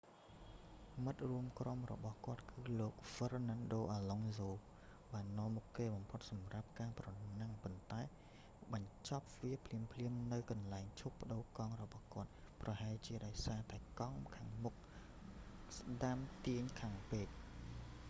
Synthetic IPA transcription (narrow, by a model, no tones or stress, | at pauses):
mɨt̪̚ruəmkromrɔ̰ɓɑhkŏət̪̚kɨːloːk̚fərnaːnɗoːʔaːloŋzoː | ɓaːnːoɔəmːukːeːɓɑmpʰot̪̚sɑmrap̚kaːprɑnaŋpont̪aɛ | ɓɑɲt͡ɕɑp̚ʋiəpʰliəmpʰliəmnɨwkɑnlaɛŋt͡ɕʰupːə̆ɗoːkɑŋrɔɓɑhkŏət̪̚prɑhaɛlt͡ɕiəɗaɔjsaːt̪aɛkɑŋkʰaːŋmuk̚ | sɗamt̪iəɲkʰaːŋpeːt̪̚